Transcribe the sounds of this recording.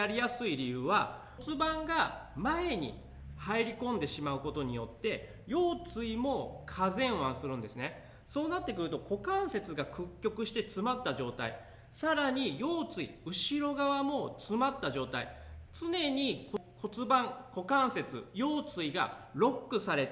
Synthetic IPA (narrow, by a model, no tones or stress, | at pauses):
aɾʲijasɨiɾʲijɯːβa | t͡sɨbãŋɡamae̞ɲ̟ḭ | haiɾʲikõ̞nd̪e̞ɕimaɯ̟ko̞t̪o̞ɲ̟ijo̞̰t̪ːe̞ | jo̞ːt͡sɨimo̞kʰazẽ̞ɰ̃βãsɨɾɯ̟̃nd̪e̞sɨne̞ | so̞ːnat̪ːe̞kɯ̟ɾɯ̟t̪o̞ko̞kãɰ̃se̞t͡sɨɡakɯ̟kʲːo̞kɯ̟ɕi̥t̪e̞t͡sɨmat̪ːaʑo̞ːt̪a̰ḭ | saɾaɲ̟ijo̞ːt͡sɨḭɯ̟ɕiɾo̞ɡaβamo̞t͡sɨmat̪ːaʑo̞ːt̪a̰ḭt͡sɨne̞ɲ̟ikokʰo̞t͡sɨbãŋko̞kãɰ̃se̞t͡sɨ̰jo̞ːt͡sɨiɡa̰ɾo̞kːɯ̟saɾe̞t̪